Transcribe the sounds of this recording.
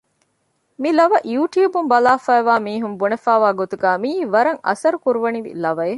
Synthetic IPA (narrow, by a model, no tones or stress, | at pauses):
milɐʋɐʔjuːʈjuːbumbɐlaːfæːʋaːmiːɦumbunefaːʋaːɡot̪uɡæːmiːʋɐɾɐŋɐ̰sɐɾukuɾuʋɐniʋḭlɐʋɐe